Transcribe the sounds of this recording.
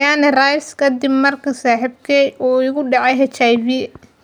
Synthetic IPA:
aʕnɪrajskʰɐd̪ɪbmɐrkʰɐsaːħɪbkʰɛjʔɔːɪɣʊɖɑʕɑjɦɛt͡ʃajviː

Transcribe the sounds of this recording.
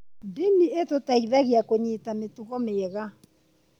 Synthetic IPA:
ndenietotaiðaɣiakoɲetametuɣɔmeɣa

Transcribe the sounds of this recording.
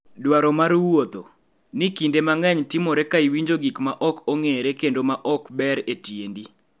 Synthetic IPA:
dwaɾɔmaɾwot̪o | nɪkindemaŋɛɲtɪmɔɾɛkaiwiɲd͡ʒoɡikmaʔɔkɔŋeɾekendomaʔɔkbɛɾetjendi

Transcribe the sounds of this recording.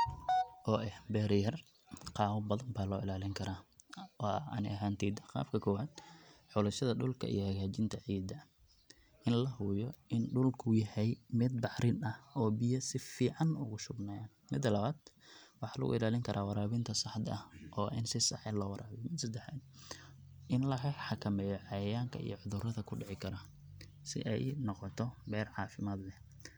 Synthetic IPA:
ʔɔːʔɛhbɛːɾjɐr | qɑːwɐbɐðɐmbaːlɔːɪlaːlɪŋkʰɐɾaːɔːɐ̰nɪ̰ɐɦaːnt̪ʰiːd̪qɑ̰ːbkʰɐkʰɔːwaːd̪̥ħʊlɐʃɐðɐɖʊlkʰɐ̰ḭjɔhɐɣaːt͡ʃɪnt̪ʰɐʕiːd̪ɐ | ɪnlɐɦʊjɔɪnɖʊlkʰʊjɛhɛjmɪd̪̚bɑħɾɪnɐhɔːbɪjɐsɪfiːʕɑnʊɣʊʃʊbnaːja | mɪd̪ːɐlɐβaːd̪ | wɑħɑːlɐ̰ɣʊ̰ʔɪlaːlɪŋkʰɐɾʔaːwɑɾaːβɪnt̪ʰɐsɑħd̪ɐ̰hʔɔːʔɪnsɪsɑ̰ħɛlɔːwɑɾʔaːβɛjmɪd̪sɐd̪ɛħa̰ːd̪ | ʔɪnlɐɦħɑkʰɐmɛːjɔʕɑjɐjaːŋkʰɐ̰ḭjʕʊðʊrɐðɐkʰʊɖɪʕɪkʰɐɾɐ | sɪ̰ʔɛ̰jnɔqɔt̪ʰɔbɛːrʕɑːfɪmaːd̪lɛ

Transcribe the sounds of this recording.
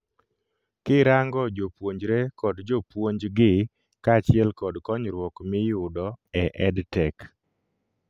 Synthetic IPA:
kɪɾaŋɡɔd͡ʒopwoɲd͡ʒɾekɔdd͡ʒopwoɲd͡ʒɡɪ | kat͡ʃɪɛlkɔdkɔɲɾwɔkmɪjʊdɔɛʔɛdtɛk

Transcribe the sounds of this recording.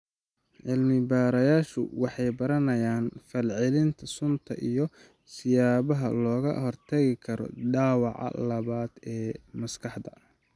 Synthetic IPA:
ʕɪlmɪbaːɾɐjaːʃʊ̰wɑħɑjbɐɾɐnɐjaːnfɐlʕɪlɪnt̪ʰɐsʊnt̪ʰɐʔijɔ | sɪjaːβɐɦɐ̰lɔːɣɐ̰hɔrt̪ʰɐɣɪkʰɐɾɔ̰ɖaːwɑ̰ʕɑ̰lɐβaːd̪ɛːmɐskʰɑħd̪ɐ

